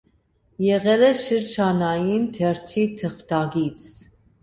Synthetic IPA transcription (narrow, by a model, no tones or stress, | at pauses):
jɛʁɛlɛʃəɾd͡ʒʰɑnɑjint̪ʰɛɾt̪ʰit̪ʰəχt̪ɑɡit͡sʰ